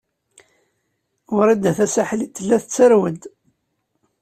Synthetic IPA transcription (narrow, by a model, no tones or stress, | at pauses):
wʊɾˤid̪æθæsaħlit̪ːəlːæθət͡sːəɾwəd̪